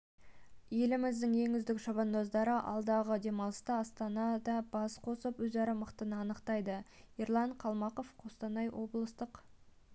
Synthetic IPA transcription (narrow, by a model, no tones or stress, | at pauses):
je̞lɪmɪzd̪ɪŋʒe̞ŋɪzd̪ɪkʃɑbɑnd̪ozd̪ɑɾəʔɑ̰lˠd̪ɑʁəd̪e̞mɑlˠst̪ɑɑst̪ɑnɑd̪ɑb̥ɑsqʰo̞səpwɵzɑɾəməqt̪ənəɑnəqt̪ɑjd̪əiɾlˠɑɴqʰɑlˠmɑqo̞fqʰost̪ɑnɑjwʔo̞blˠəst̪əq